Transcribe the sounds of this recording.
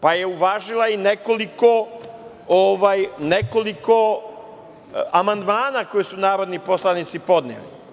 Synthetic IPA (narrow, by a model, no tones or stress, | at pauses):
paje̞uʋaːʒilˠaineko̞liko̞ | oʋajne̞koliko̞ | amand̪maːnako̞jesunaːɾo̞d̪niposlanit̪sipo̞d̪nḛlḭ